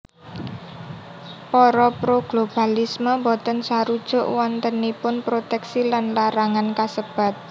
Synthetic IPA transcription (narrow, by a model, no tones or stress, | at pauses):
pɔɾɔpɾoɡ̥lob̥a̤lisməmbɔt̪ənsaɾud̥ʒ̥ʊ̤ʔwɔnt̪ənipʊnpɾot̪ɛksilanlaɾaŋankasəb̥a̤t̪̚